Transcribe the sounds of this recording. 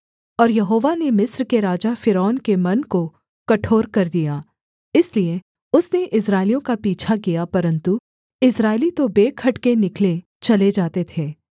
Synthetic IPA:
ɔːɾjɐɦoːʋanemɪsɾkeɾaːd͡ʒafɪɾɔːnkemɐnko | kɐʈʰoːɾkɐɾd̪ijaː | ɪslie | ʊsneʔɪs̬ɾaːɪlijõkapiːt͡ʃʰakijapɐɾə̃nt̪u | ɪsɾaːɪlit̪obeːkʰɐʈkenɪkle | t͡ʃɐled͡ʒaːt̪et̪ʰeː

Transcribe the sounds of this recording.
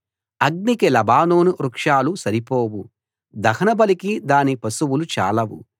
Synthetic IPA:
ɐɡ̚nikelɐbaːnoːnuɾukʂaːlusɐɾipoːwu | d̪ɐhɐnɐbɐlikid̪aːnipɐsuwulut͡ʃa̰ːlɐwṵ

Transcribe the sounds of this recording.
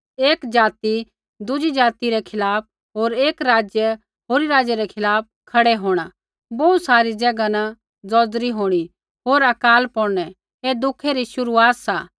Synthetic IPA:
eːkd͡ʒaːt̪i | d̪ʊd͡ʒid͡ʒaːt̪iɾɛkʰɪlaːp̚ | ɦoːɾeːkɾaːd͡ʒjə | ɦoːɾiɾaːd͡ʒjeɾɛkʰɪlaːp̚kʰɐɽɛɦoːɽ̃a | boːusaːɾid͡ʒɐɡana | d͡zɔːd͡zɾiɦoːɽ̃i | ɦoːɾɐkaːlpɔɽñɛ | ed̪ʊkʰeɾiʃʊɾuaːt̪saː

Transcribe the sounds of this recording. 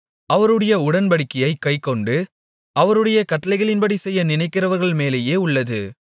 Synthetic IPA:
ɐʋɐɾɯɽɐjɐʊɽɐnbɐɽɪkːɐjɐɪkːɐɪkːɔɳɖɯ | ʔɐʋɐɾɯɽɐjɐkɐʈːɐlɐɪɣɐɭɪnpɐɽisɛjːɐnɪnɐɪkːɪrɐʋɐɾɣɐɭmeːleːjeːʊɭːɐðɯ

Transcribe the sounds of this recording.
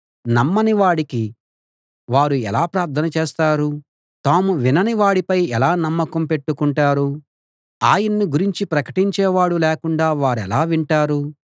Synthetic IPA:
nɐmːɐniʋaːɽiki | ʋaːɾuɛlaːpɾaːɾt̪ʰɐnɐt͡ʃeːst̪aːɾu | t̪aːmuʋinɐniʋaːɽipɐjɛlaːnɐmːɐkɐmpe̞ʈːukuɳʈaːɾu | aːjɐnːiɡuɾiɲt͡ʃipɾɐkɐ̥ʈiɲt͡ʃɛːʋaːɽulɛːkuɳɖaːʋaːɾɛlaːʋiɳʈaːɾu

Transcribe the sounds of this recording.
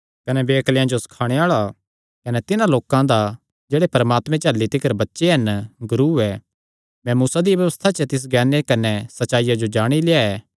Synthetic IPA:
kɐnɛbeːɐkljãd͡ʒosɐ̥kʰaːɽ̃eaːɭa | kɐnɛt̪ɪnãloːkãd̪a | d͡ʒeːɽepɐɾəmaːt̪mɛ̃t͡ʃaːlːit̪ɪkəɾbɐtːʃeɦɐnɡʊɾuːɛː | mɛ̃muːsad̪iʋjɐʋəst̪ʰat͡ʃɐt̪ɪs̬ɡɛːnekɐnɛsɐtːʃaːɪjad͡ʒod͡ʒaːɽ̃ilɪaɛː

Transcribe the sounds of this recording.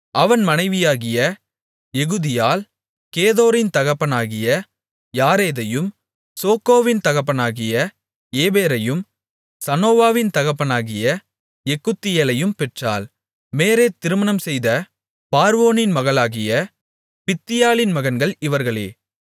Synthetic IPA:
ʔɐʋɐnmɐnɐɪʋɪjaːɣɪjɐ | ɛɣɯðɪjaːl | keːðoːɾɪnt̪ɐɣɐpːɐnaːɣɪjɐ | jaːɾeːðɐjɯm | soːkoːʋɪnt̪ɐɣɐpːɐnaːɣɪjɐ | eːbeːɾɐjɯm | sɐnoːʋaːʋɪnt̪ɐɣɐpːɐnaːɣɪjɐ | ɛkːɯt̪ːɪjɐlɐjɯmpɛʈra̰ːl | meːɾeːt̪ɪɾɯmɐnɐmsɛjðɐ | paːɾʋoːnɪnmɐɣɐɭaːɣɪjɐ | pɪt̪ːɪjaːlɪnmɐɣɐnɡɐɭɪʋɐɾɣɐɭḛː

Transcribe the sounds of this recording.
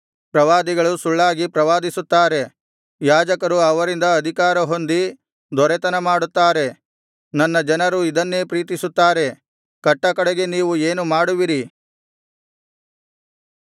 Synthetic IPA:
pɾɐʋaːd̪iɡɐɭusuɭːaːɡipɾɐʋaːd̪isut̪ːaːɾe̞ | jaːd͡ʒɐkɐɾuɐʋɐɾind̪ɐːd̪ʱikaːɾɐɦo̞nd̪i | d̪ʱɔɾɛt̪ɐnɐmaːɽut̪ːaːɾe̞ | nɐnːɐd͡ʒɐnɐɾuid̪ɐnːe̞ːpɾiːt̪̬isut̪ːaːɾe̞ | kɐʈːɐkɐɽeɡe̞niːʋueːnumaːɽuʋiɾi

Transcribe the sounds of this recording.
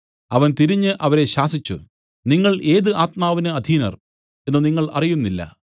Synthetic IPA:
ɐʋɐnt̪iɾiɲːɨʔɐʋɐɾe̞ɕaːsit͡ɕːṵ | niŋːɐɭe̞ːðɨʔaːt̪̚maːʋinɨɐd̪ʱiːnɐ̰r | e̞nːɨniŋːɐɭɐ̰rijunːilːɐ̰

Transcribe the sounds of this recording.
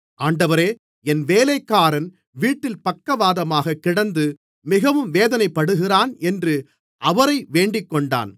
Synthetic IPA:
ʔaːɳɖɐʋɐɾeː | ɛnʋeːlɐɪkːaːɾɐn | ʋiːʈːɪlpɐkːɐʋaːðɐmaːɣɐkːɪɽɐnd̪ɯ | mɪɣɐʋɯmʋeːðɐnɐɪpːɐɽɯɣɪraːnɛndrɯ | ʔɐʋɐɾɐɪʋeːɳɖɪkːɔɳɖa̰ːn

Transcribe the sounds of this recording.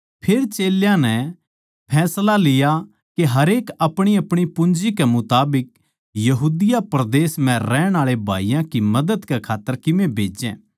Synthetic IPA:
pʰeːɾt͡ʃeːljãnɛ | pʰɛːslalɪja | keɦɐɾeːkɐpɽ̃iɐpɽ̃ipʊnd͡ʒikɛmʊt̪aːbɪk̚ | jɐɦuːd̪ɪjapɾɐd̪eːsmɛ̃ɾɛːɽ̃aːɭebʱa̰ːijãkimɐd̪əd̪kɛkʰaːt̪ːəɾkɪmẽbʱeːd͡ʒɛ̰̃ː

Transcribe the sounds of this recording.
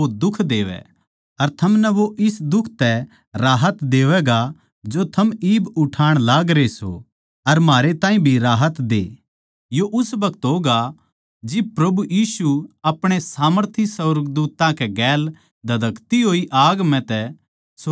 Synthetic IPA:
od̪ʊkʰd̪eːʋɛ̰ | ɐɾt̪ʰɐmnɛʋoʔɪsd̪ʊkʰt̪ɛ | ɾaːɦət̪d̪eːʋɛɡa | d͡ʒot̪ʰɐmiːbʊʈʰaːɽ̃laːɡɾeso̰ | ɐɾmaːɾet̪ãːĩbʱiɾaːɦət̪d̪ḛː | joʔʊsbɐkt̪ɦoːɡa | d͡ʒɪb̚pɾɐbujiːsuɐpɽ̃esaːməɾt̪ʰisɐɾəɡd̪uːt̪ãkɛɡɛːl | d̪ʱɐd̪ɐkt̪iɦoːiʔaːɡmɛ̃t̪ɛ | so

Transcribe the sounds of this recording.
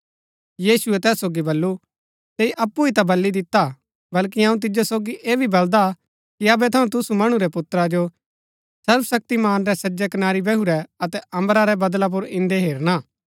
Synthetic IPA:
jiːsuɛt̪ɛːsːoːɡibɐlːu | t̪eːiʔɐpːuit̪abɐlːid̪ɪt̪a | bɐlk̬iɐ̃ũt̪̬ɪd͡ʒosoːɡiʔeːbʱibɐld̪a | kiɐbɛt̪ʰɐũt̪ʊsumɐɽ̃uɾɛpʊt̪ɾad͡ʒo | sɐɾbəsɐk̚t̪imaːnɾɛsɐd͡ʒɛkənaːɾibɛɦuɾɛɐt̪ɛʔɐ̃mbəɾaɾɛbɐd̪lap̬ʊɾɪ̃nd̪eɦeːɾñaː

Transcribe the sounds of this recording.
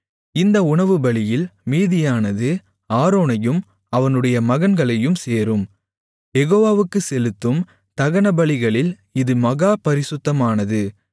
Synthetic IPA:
ɪnd̪ɐʊɳɐʋɯbɐɭɪjɪlmiːðɪjaːnɐðɯ | aːɾoːnɐjɯm | ɐʋɐnɯɽɐjɐmɐɣɐnɡɐɭɐjɯmseːɾɯm | jɛɣoːʋaːʋɯkːɯsɛlɯt̪ːɯm | t̪ɐɣɐnɐbɐɭɪɣɐɭɪl | ɪðɯmɐɣaːpɐɾɪsʊt̪ːɐmaːnɐðɯ

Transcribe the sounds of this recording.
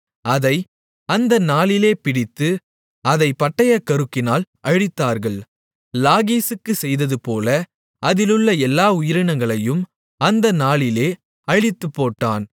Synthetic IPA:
ɐðɐɪ | ɐnd̪ɐnaːɭɪleːpɪɽɪt̪ːɯ | ɐðɐɪpɐʈːɐjɐkːɐɾɯkːɪnaːlʔɐɻɪt̪ːaːɾɣɐɭ | laːɣiːsɯkːɯsɛjðɐðɯpoːlɐ | ʔɐðɪlɯɭːɐɛlːaːʊjɪɾɪɳɐŋɡɐɭɐjɯm | ɐnd̪ɐnaːlɪleː | ɐɻɪt̪ːɯpːoːʈːa̰ːn

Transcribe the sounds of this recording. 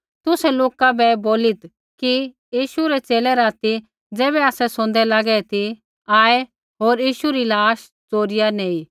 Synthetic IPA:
t̪ʊsɛloːkabɛboːlɪt̪ | ki | jiːʃuɾɛt͡seːlɛɾaːt̪i | d͡zɛːβɛaːsɛsʊ̃nd̪ɛlaɡɛɛt̪ʰi | aːɛ | ɦoːɾjiːʃuɾilaːʃ | t͡soːɾɪjaneːi

